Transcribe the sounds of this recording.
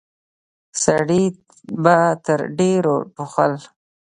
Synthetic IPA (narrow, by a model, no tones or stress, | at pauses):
saɽi | bat̪əɾɖeɾoʈuxə̰l